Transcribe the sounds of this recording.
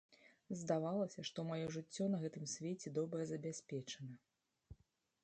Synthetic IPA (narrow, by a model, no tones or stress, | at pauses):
zd̪avalˠɐsʲɐʂt̪ɔmajɔʐɨt͡sʲːɔnɐɣɛt̪ɨmsʲvʲet͡sʲɛd̪ɔbɾɐzɐbʲasʲpʲɛt͡ʂɐnɐ